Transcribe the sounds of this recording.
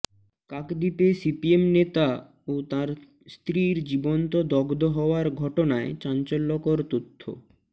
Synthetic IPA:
kakd̪ipesipiemnet̪a | ot̪aɾ | st̪ɾiɾd͡ʑibont̪od̪ɔɡd̪oɦɔoaɾɡʱɔʈonaet͡ɕant͡ɕolːokoɾt̪ot̪ʰːo̰

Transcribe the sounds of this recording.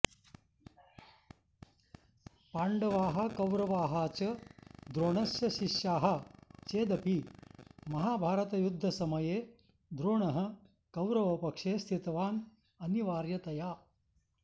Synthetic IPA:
paːɳɖɐʋaːɦɐ̆kɐwɾɐʋaːɦaːt͡ʃɐd̪ɾoːɳɐsjɐʃiʃjaːɦɐt͡ʃeːd̪ɐpi | mɐɦaːbʱaːɾɐt̪ɐjud̪ʱːɐsɐmɐjeː | d̪ɾoːɳɐɦɐ̆ | kɐwɾɐʋɐpɐkʂeːst̪ʰit̪ɐʋaːn | ɐniʋaːɾjɐt̪ɐjaː

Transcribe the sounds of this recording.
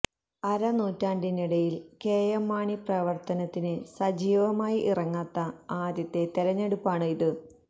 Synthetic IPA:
ɐɾɐnuːtːaːndiniɽɐjilkeːjɐmːaːɳiprɐʋɐrt̪ɐnɐt̪ːinɨsɐd͡ʑiːʋɐmaːjiʔirɐŋːaːt̪ːɐaːd̪jɐt̪ːe̞t̪eɾɐɲːeɽupːaːɳɨiðɨ

